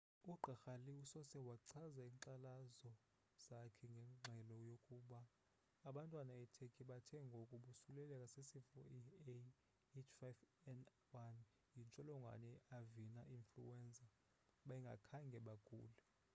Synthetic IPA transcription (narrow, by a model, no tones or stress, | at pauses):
uɡ͡ǃʱaxaliusɔsɛwaǀʰazaiːŋǀalazɔ | z̥akʰɛŋɡʱɛŋ͡ǁʱɛlɔjokʼuɓaː | ɓantʼwanaɛtʰekʼiɓatʰɛŋɡʱokʼuɓusulɛlɛkʼasesifɔ̰ie | et͡ʃʰfajvɛn | wan | jint͡ʃʼɔlɔŋɡʱwa̰nɛavinaʔinflṵwɛnd͡zʱʼa | ɓaiŋɡʱa̰kʰaŋɡʱɛɓaɡ̥ʱṵːlɛ